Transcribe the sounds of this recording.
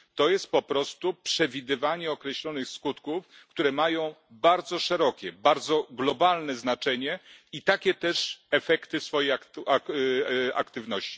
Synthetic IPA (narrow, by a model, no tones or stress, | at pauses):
t̪ɔjɛst̪̚pɔpɾɔst̪upʂɛvʲid̪ɘvaɲɛɔkɾɛɕlɔnɘxskut̪kuf | kt̪uɾɛmajɔ̃w̃baɾd̪zɔʂɛɾɔkʲɛbaɾd̪zɔɡlɔbalnɛznat͡ʂɛɲɛit̪akʲɛt̪ɛʂɛfɛkt̪ɘsfɔjejak | a̰kt̪ɘvnɔɕt͡ɕi̥